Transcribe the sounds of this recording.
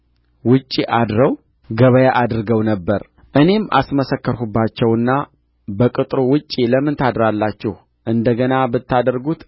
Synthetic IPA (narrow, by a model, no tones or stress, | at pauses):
wʊt͡ʃʼːiʔad̪ɾəw | ɡəβəjaʔad̪ɾɨɡəwnəbːəɾ | ʔɨne̞ma̰sməsəkːəɾhubːat͡ʃːɛwɨnːa | bəkʼɨt̪ʼɾowʊt͡ʃʼːiləmːɨnt̪ʰad̪ɾalːat͡ʃːɛh | ʔɨnd̪əɡənabɨt̪ʰːad̪əɾɡut̪